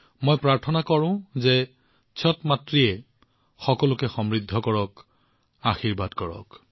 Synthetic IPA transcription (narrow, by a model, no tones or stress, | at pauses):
mojpɹaɹtʰɔnakɔɹʊ̃zɛ | t͡ʃʰɔtmatɹiɛ | xɔkɔlʊkɛxɔmɹidʱːɔkɔɹɔk | axiɹbadkɔɹɔ̰k